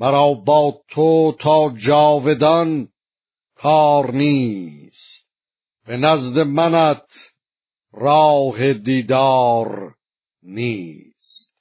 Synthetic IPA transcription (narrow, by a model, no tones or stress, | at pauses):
mæɾɑːbɒːt̪ʰot̪ʰɑːd͡ʒɑːve̞d̪ɒn | kʰɑːɾniːst̪ | benæzd̪emænæt̪ʰ | ɾɑːɦed̪iːd̪ɑːɾ | niː | st̪